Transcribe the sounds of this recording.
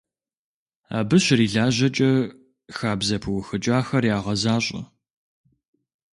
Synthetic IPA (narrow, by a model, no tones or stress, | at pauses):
a̰ːbɨɕɪriːɮaːʑɐt͡ʃʼɐ | xaːbzɐpʰɨwʊxɨt͡ʃʼaːxɐrjaːʁɐzaːɕʼɐ̰